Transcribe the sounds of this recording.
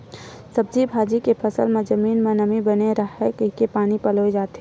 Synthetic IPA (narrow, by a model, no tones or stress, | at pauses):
sɐb̚d͡ʒibʱaːd͡ʒikepʰɐsəlmẽd͡ʒəmiːnmẽnɐmibəneɾɐɦɛkɪkepaːnipɐloid͡ʒaːt̪ɦe